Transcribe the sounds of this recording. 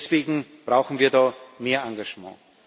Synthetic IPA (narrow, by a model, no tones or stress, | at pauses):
sv̥eːɡŋ̩b̥ʁaʊxn̩viːɐdɑːmeːɐãŋɡaʒmɑ̰̃ː